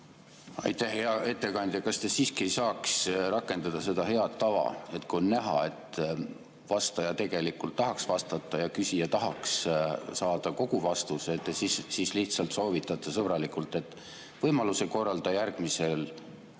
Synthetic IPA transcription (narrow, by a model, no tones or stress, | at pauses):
ɑ̰jt̪ˑæhheɑʔe̞t̪ːe̞kɑnʲd̪̥ʲjɑkɑst̪e̞siːskie̞jsɑːksrɑkːˑe̞nd̪̥ɑd̪̥ɑse̞d̪̥ɑɦe̞ɑt̪ːɑvɑ̰e̞t̪kunːnæɦɑ̰e̞t̪ˑ | vɑst̪ɑjɑt̪e̞ɡ̥e̞likːˑult̪ːɑɦɑksvɑst̪ɑt̪ːˑɑjɑkysijɑt̪ɑɦɑkssɑːd̪̥ɑko̞ɡ̥uvɑst̪uset̪ːˑesissiːsliht̪sɑlt̪so̞ːvit̪ːˑɑt̪ːˑɑsɤb̥ɾɑlikˑult̪ːˑe̞t̪ːˑ | vɤjmɑluse̞ko̞rːɑld̪̥ɑjærɡ̥mise̞l